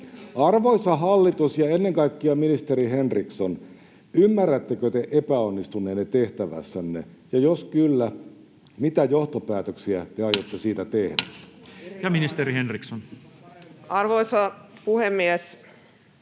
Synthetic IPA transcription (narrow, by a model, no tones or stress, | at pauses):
ɑrʋoisɑɦɑlːit̪usjɑenːeŋkɑikːiɑminist̪eɾiɦenrikson | ymːærːæt̪ːekøt̪eʔepæonːist̪unˑeːnːet̪eht̪æʋæ̰sːænːḛ | jɑjoskylːæ | mit̪æjoht̪opæːt̪øksiæt̪eɑjot̪ːesiːt̪æt̪ehdæ | jɑminist̪eɾihenrikson | ɑrʋoisɑpuhemːies